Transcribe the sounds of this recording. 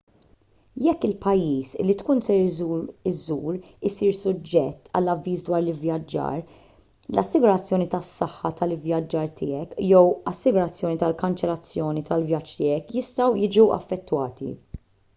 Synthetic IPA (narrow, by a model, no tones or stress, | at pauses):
jɛkːɪlpɐjːiːsɪ̰lːit̪kuːnsɛɾɪzuːɾɪsiːɾsʊd͡ʒːɛt̪ːɐ̰lːɐvːiːsd̪wɐːɾlɪvjɐd͡ʒːɐ̰ːɾ | lɐsːɪɡʊɾɐt͡sːjɔːnit̪ɐsːɐħːɐt̪ʰɐlɪvjɐd͡ʒːɐːɾt̪ʰɪːɛkjɛwɐsːɪɡʊɾɐt͡sːjɔːnit̪ɐlkɐnt͡ʃɛlɐt͡sːjɔːnit̪ʰɐlvjɐt͡ʃːt̪ɪːɛkjɪst̪ɐwjɪːd͡ʒuʔɐ̰fːɛt̪ːwɐːt̪ḭ